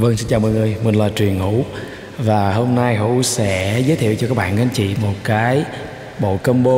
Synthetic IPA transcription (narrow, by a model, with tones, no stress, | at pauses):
və˧ŋsi˧nt͡ɕaː˨˩wmɔ̰˧˨jŋɨ˨˩əjmï˨˩ŋ̟laː˨˩t͡ɕwi˨˩ənhṵ˧˥ | vaː˨˩ɦo˧mna˧jɦṵ˧˥sɛ̰˧˥zəː˨˦t̪ʰḭ˧˨wt͡ɕɔ˧kaː˦˥k̚ɓa̰ː˧˨nka˨˦nt͡ɕḭ˧˨mo˨˩t̚kaː˨˦j | ɓo̰˧˨kə˧mɓo˧